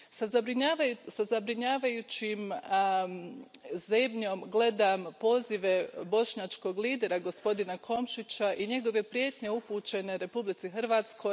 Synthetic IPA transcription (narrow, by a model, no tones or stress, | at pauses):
sazabɾiɲaasazabɾiɲaːʋajut͡ɕim | zemɲo̞mɡle̞d̪ampo̞ːziʋe̞bo̞ʃɲat͡ʃko̞ɡliːd̪e̞ɾaɡo̞spo̞d̪inakʰo̞mʃit͡ɕaʔiɲe̞ɡo̞ʋe̞pɾje̞ːt̪ɲe̞upuːt͡ɕe̞ne̞ɾe̞publit̪sixr̩ʋaːt̪sko̞j